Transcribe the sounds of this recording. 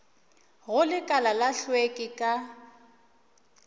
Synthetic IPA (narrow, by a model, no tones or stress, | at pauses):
ɣʊlɪkʼalalaɬwekʼɪkʼa